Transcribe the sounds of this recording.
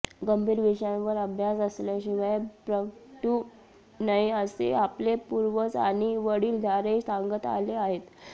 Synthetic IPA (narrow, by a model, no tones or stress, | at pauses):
ɡəmbʱiːɾʋiɕãʋəɾəbʱjasəslaɕiʋajpɾəkʈu | naɦiəsḛaplepuɾʋət͡sa̰ɽ̃iʋəɽiːld̪ʱaɾesaŋɡət̪a̰leaɦet̪